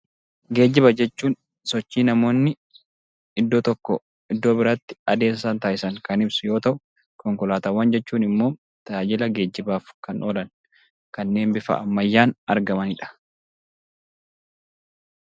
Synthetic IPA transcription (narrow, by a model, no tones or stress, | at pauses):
ɡe̞ːd͡ʒːɪβɐd͡ʒɛt͡ʃːuːn | sɔt͡ʃːiːnɐmo̞ːnːɪ | ɪd̪ːo̞ːt̪ɔkːɔ | ɪd̪ːo̞ːbɪɾɐt̪ːɪ̥ɐd̪e̞ːssaːnt̪aːɪsɐŋkɐnɪbsʊjo̞ːt̪ɐʔʊ | kɔŋkʊlaːt̪ɐwːɐnd͡ʒɛt͡ʃːuːnɪmːo̞ː | t̪ɐaːd͡ʒɪlɐɡe̞ːd͡ʒːɪbaːfkɐnʔoːlɐn | kɐnːe̞ːmbɪfɐ̰ʔɐ̰mːɐjːaːnɐɾɡɐmɐnɪᶑɐ̥